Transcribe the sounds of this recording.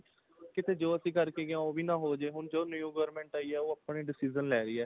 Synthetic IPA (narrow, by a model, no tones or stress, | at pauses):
kɪt̪ʰeːd͡ʒoːəsĩːkəɾkeːɡeãːoːʋiːnãːɦoːd͡ʒeːɦʊnd͡ʒoːnjũːɡɔːɾmɛ̃ːɳʈaːiːɛːoːəpɳeːɖɪsiːzənlɛːɾəiːɛː